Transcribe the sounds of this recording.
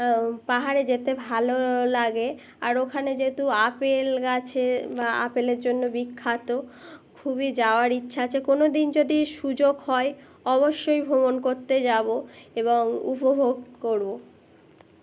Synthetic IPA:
paɦaɾed͡ʑet̪ebʱalolaɡe | aɾokʰaned͡ʑet̪uapelɡat͡ɕʰebaa̰peleɾd͡ʑonːobikʰːat̪o | kʰuβid͡ʑaoaɾitːɕʰaat͡ɕʰekonod̪ind͡ʑod̪iʃud͡ʑoɡɦɔe | ɔβoʃːojbʱobonkoɾt̪ed͡ʑaboeβoŋṵpobʱoɡkoɾbo

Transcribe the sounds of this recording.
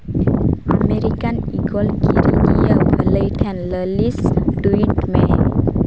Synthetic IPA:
ameɾikaniɡɔlkiɾɡijəbʱələjʈʰenləlisɖuiʈme

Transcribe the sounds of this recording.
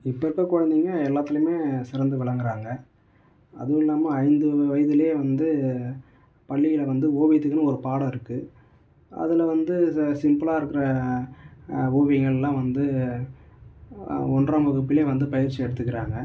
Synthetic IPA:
ɪpːɐɾɯkːɐkɔɻɐnd̪iːŋɡɐɛlːaːt̪ːɪlɯmeːsɪɾɐnd̪ɯʋɪɭɐŋɡɪɾaːŋɡɐ | ɐ̰ðɯɪlːaːmɐɐɪnd̪ɯʋɐjɐðɪleːʋɐnd̪ɯ | pɐɭːɪjɪlɐʋɐnd̪ɯoːʋɛɪt̪ːɯkːɐnɯɔɾɯpaːɽɐ̃ɪɾɯkːɯ | ɐ̰ðɪlɐʋɐnd̪ɯsɪmpɯlaːɪɾɯkːɪɾɐ | oːʋɛŋɡɐɭɛlːãːʋɐnd̪ɯ | ɔndraːmbɐɣɯp̬ːɪleːʋɐnd̪ɯpɐjɪɾt͡ʃːiɛɽɯt̪ːɯkːɪɾaːŋɡɐ

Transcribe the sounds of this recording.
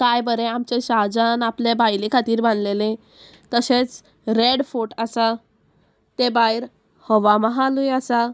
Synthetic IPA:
kajbəɾeamt͡ɕeɕaɦd͡zanaplebajlekʰat̪iːɾbãnd̪lelẽ | t̪əset͡s | ɾeɽfoʈasa | t̪ebajɾ | həʋaməɦalujasa

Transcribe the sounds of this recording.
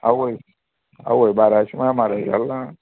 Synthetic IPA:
a̰we | a̰weibaɾaʃimaamaɾaḭɾa̰la

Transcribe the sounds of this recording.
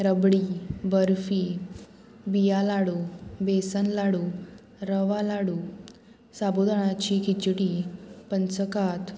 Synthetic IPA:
ɾəbɽibəɾfiː | bijalaɽubesənlaɽu | ɾəʋalaɽu | sabod̪ʱəɽ̃at͡ɕikʰit͡ɕʈipənt͡səkat̪

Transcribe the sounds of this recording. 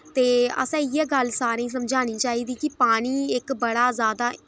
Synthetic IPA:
t̪eːə̰sãːɪjeːɡəlsaːɾẽːsəmd͡ʒaːñiːt͡ʃaːiːd̪iːkɪpaːɽ̃iːɪkbəɽaːzaːd̪aː

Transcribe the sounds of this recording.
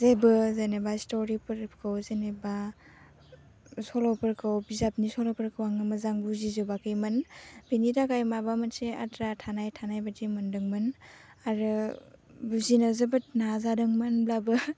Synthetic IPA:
zebɯzenebastɔɾipɯɾpkʰɯwzeneba | sɔlɔpɯɾkʰɯwbizap̚nisɔlɔpəɾkʰɯwaŋɯmɯzaŋbuzizobakɯjmɯnbinidakajmabamɯnsea̰tɾatʰanajtʰanajbadimɯndɯŋmɯn | aɾɯ | buzinazebɯtnazadɯŋmɯnblabɯ

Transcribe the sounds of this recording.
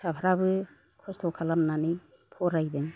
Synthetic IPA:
sapʰaɾabɯ | kʰɔstʰɔwkʰalamnanɯj | pʰɔɾajdɯŋ

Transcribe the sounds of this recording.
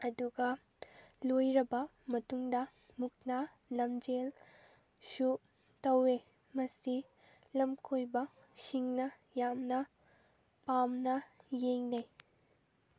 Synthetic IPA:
ɐduɡɐ | lojɾɐbɐ | mɐtuŋdɐ | muk̚na | lɐmd͡ʒel | su | tɐwe | mɐsi | lɐmkʰojbɐ | siŋnɐ | jamnɐ | pamnɐjeŋnej

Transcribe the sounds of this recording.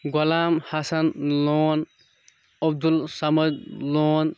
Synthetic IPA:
ɡɔlamhasanlɔn | ɔb̚d̪ulsamədlɔːn

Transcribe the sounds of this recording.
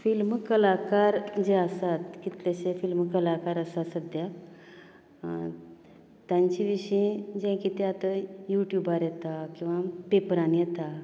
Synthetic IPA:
filmkəlakaɾd͡ʑeasat̪kit̪leɕefilmkəlakaɾəsasəd̪ja | t̪jãɲt͡ɕiʋiɕĩd͡ʑɛ̃kit̪ẽat̪əjuʈjubaɾjɛt̪akĩw̃ʋapepəɾãnjet̪a

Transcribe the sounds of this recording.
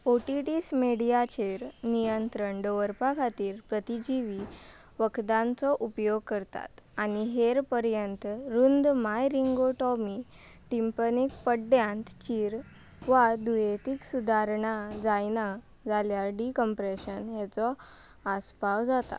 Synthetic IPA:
oʈiʈismeɽijat͡ɕeɾnijənt̪ɾəɳɖəʋəɾpakʰat̪iːɾpɾət̪id͡ʑiʋi | ʋəkʰd̪ãnt͡sɔʔupjoɡ̚kəɾt̪a̰t̪aniɦeɾpəɾjənt̪ɾund̪majɾiŋɡoʈɔmi | ʈimpənik̚pəɖjãnt̪t͡ɕiːɾ | ʋad̪ujet̪iksud̪ʱaɾɳad͡zajna | d͡zaljaɖikəmpɾeɕənɦɛt͡sɔ | aspawd͡zat̪a̰

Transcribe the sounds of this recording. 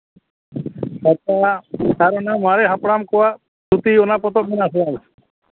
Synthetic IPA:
kat̪akaɾɔɳamaɾɛɦapɽamkɔwa | t̪ut̪ionapɔt̪ɔk̚minasɛab

